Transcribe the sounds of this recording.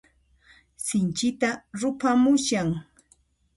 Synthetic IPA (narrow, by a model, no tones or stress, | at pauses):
sɪnt͡ʃɪt̪aɾʊpamʊʃaŋ